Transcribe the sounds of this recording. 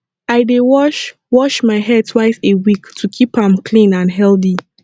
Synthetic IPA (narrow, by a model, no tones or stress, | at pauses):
aɪdewɔʃ | wɔʃmaɪɦɛd̚tʰwaɪsewiktʰukʰipãmkʰlĩnãnɦɛlθi